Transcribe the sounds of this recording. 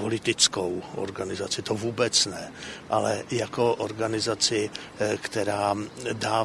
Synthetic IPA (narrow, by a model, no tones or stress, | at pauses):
olɪt̪ɪt͡skowʔo̰ɾɡanɪzat͡sɪt̪ovuːbɛt͡snɛʔalɛjako̞ʔoɾɡanɪzat͡sɪ | kt̪ɛɾaːdaː